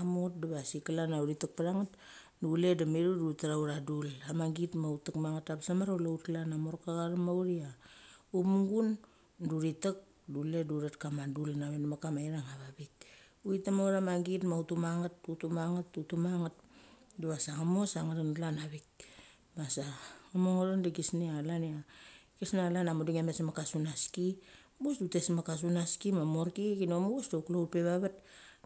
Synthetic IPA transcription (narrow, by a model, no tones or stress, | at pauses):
amot̚daβasikalanauɾitak̚paɾaŋat | dule̞damiɾudutaɾauɾadulamaɡitmautakmaŋatabsamaɾaulautlanamoɾkaɣaɾamawɾiaupmuŋɡun | duɾitak̚ | dule̞duɾatkamadulnamenmakamaiɾaŋaβaβik̚ | uitamoɾamaɡitmautumaŋatːutumaŋatːutumaŋat̚duasaŋamosaŋaɾanlanaβik̚ | masaŋamoŋoɾandiɡisnialaniaɡisnaalanamoduŋamesmakasunaski | busdute̞smakas̬unaskimamoɾkikinomuusdoklowpe̞βaβat̚